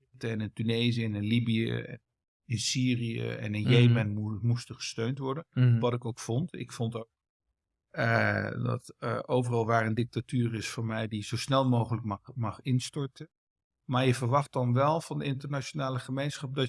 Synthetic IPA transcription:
təɛnəntynejzijnɪnlibijə̰ | ɪnsiːrijə̰ɛ̰nənjejmɛnmustəχə̥støɥntʋɔɹdənʋɑtɪkowkfɔntɪ̰kfontok̚ | ədɑ̰tʔowvərɑlˠʋaːrəndɪk̚tatyːrɪsfʊːɹmɛjdizowsnɛlˠmowχələkmɑχɪnstɔɹtən | maːɹjəvəɹʋɑχtdɑnʋɛlˠv̥ɑndəɪntəɹnat͡ʃonaːləχəmejnsχɑp̚dɑ

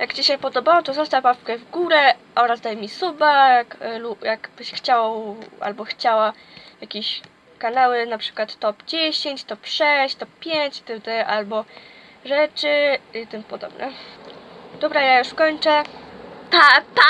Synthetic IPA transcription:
jakt͡ɕiɕɛpɔd̪ɔbawɔt̪ɔzɔst̪apafkɛvɡuɾɛʔɔɾazd̪ajmʲisubajaklujakb̥ɘɕxt͡ɕawʔa̰lbɔxt͡ɕawa | jakʲeɕ | kanawɘnapʂɘ̥kwat̪ːɔpd͡ʑeɕeɲt͡ɕt̪ɔpʂɛɕt̪ɔp̚pʲjeɲt͡ɕt̪ɘd̪ɛʔalbɔ | ʐɛt͡ʂɘit̪ɨmpɔd̪ɔ̰bnʔɛ̰ | d̪ɔbɾajajuʂkɔɲt͡ʂɛt̪at̪a

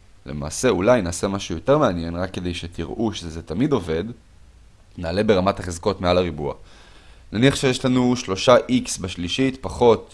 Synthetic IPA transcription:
le̞̰ma̰ːse̞ulajnaːse̞maʃujo̞t̪e̞ʁmeanje̞nʁakːe̞d̪ejʃet̪iʁʔuʃezet̪amid̪o̞ve̞d̪ | naːle̞be̞ʁamat̪haχezko̞tmealaʁibua̰ | naniaχʃejeʃlanuʃlo̞ʃaʔiksbaʃliʃit̪paχo̞t̪

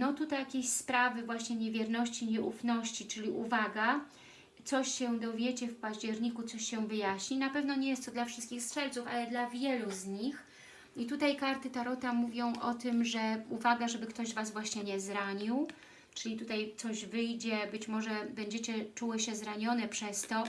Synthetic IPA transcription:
nɔt̪ut̪ajakʲeɕspɾavɘvwaɕɲɛɲɛvʲjɛɾnɔɕt͡ɕiɲɛʔufnɔɕt͡ɕit͡ʂɘlʲiʔuvaɡa | t̪sɔɕɕɛd̪ɔvʲjet͡ɕɛfpaʑd͡ʑɛɾɲikut̪sɔɕɕɛvɘjaɕɲinapɛvnɔɲɛjɛst̪t̪ɔd̪lafʂɘst̪̚kʲixstʂɛlt̪sufalɛd̪lavʲjɛluzɲix | it̪ut̪ajkaɾt̪ɘt̪aɾɔt̪amuvʲjɔ̃w̃ʔɔt̪ɘmʐɛuvaɡaʐɛbɘkt̪ɔʑzvazvwaɕɲɛɲɛzɾaɲiw | t͡ʂɘlʲit̪ut̪ajt̪sɔʑvɘjd͡ʑɛbɘt͡ɕmɔʐɛbɛɲd͡ʑet͡ɕɛt͡ʂuwɘɕɛzɾaɲɔnɛpʂɛst̪ɔ

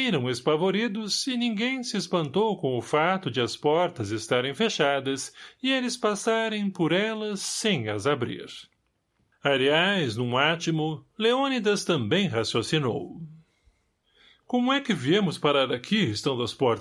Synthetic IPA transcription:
iɾɐ̃w̃espavoɾid̪ʊzɪnĩŋɡẽj̃sɪespɐ̃nt̪owkõw̃ʊfat̪ʊd͡ʒɪɐspɔɾt̪ɐzɪst̪aɾẽj̃feʃad̪ɐsɪelɪspasaɾẽj̃pʊɾɛlɐsːẽj̃ɐzabɾḭɾ | aliajznũat͡ʃimʊleonid̪ɐst̪ɐ̃mbẽj̃hasjosino̰w | kõmʊɛkɪviemʊspaɾaɾakʰiɪst̪ɐ̃w̃d̪ɐspɔɾt̪

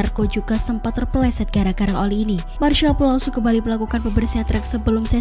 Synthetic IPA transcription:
arkod͡ʒuɡasəmpat̪ːərpəlɛsɛt̪̚ɡ̥aɾaɡaɾaŋoliːni | marʃalpulausukəmbaliməlakukanbəbərsiat̪ɾɛksəbəlʊmsa

